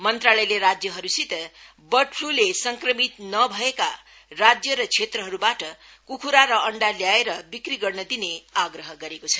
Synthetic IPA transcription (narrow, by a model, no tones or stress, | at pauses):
mʌnt̪ralʌjleɾad͡zjʌɦʌɾusit̪ʌ | bʌʈʰrulesʌŋkrʌmit̪nʌbʱʌeka | rad͡zjʌɾʌt͡sʰet̪ɾʌɦʌɾubaʈʌ | kukʰuɾaɾʌʌɳɖaljaeɾʌbikriɡʌrnʌd̪ineaɡrʌɦʌɡʌɾekot͡sʰʌ̥